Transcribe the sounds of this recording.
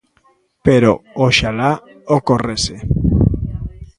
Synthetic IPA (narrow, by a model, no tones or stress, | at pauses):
peɾo̰oʃala | okorese